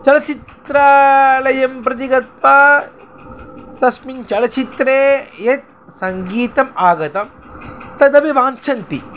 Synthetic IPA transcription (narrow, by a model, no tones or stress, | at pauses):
t͡ʃɐlɐt͡ʃit̪ɾaːlɐjɐmpɾɐt̪̬iɡɐt̪ʋa | t̪ɐsmint͡ʃɐlɐt͡ʃit̪ɾeːjɐt̪̚ | sɐŋɡiːt̪ɐmaːɡɐt̪ɐm | t̪ɐd̪ɐbiʋaːnt͡ʃʰɐnt̪ḭ